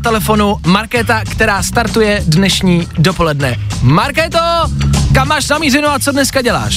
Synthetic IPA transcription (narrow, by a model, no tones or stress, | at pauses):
t̪ɛlɛfo̞numaɾkɛt̪akt̪ɛɾaːst̪aɾt̪ujɛdnɛʃɲiːdopo̞lɛdnɛmaɾkɛt̪okamːaːʃnamiːzɪnuat͡sodnɛskaɟɛla̰ːʃ